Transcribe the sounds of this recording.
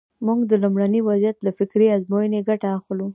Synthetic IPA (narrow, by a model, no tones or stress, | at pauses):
muŋɡd̪əlumɽaniwazijat̪lafɪkɾeazmojəneɡaʈaːxlu